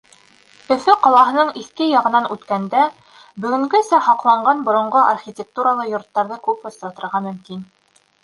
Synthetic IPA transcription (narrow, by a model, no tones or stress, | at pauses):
ɵ̆fɘqɑlˠɑɦɤ̆nɤɴiθkɘjɑʁɤ̆nɑnʉt̪kænd̪æ | bɵ̆ɡɵ̆ŋɡɵsæhɑqlˠɑɴɢɑnbŏɾŏɴɢoʔarχʲitʲek̚t̪uɾalˠɤjŏɾt̪ːɑɾðɤkʉpŏst̪ɾɑt̪ɤ̆ɾʁɑmɵ̆mkin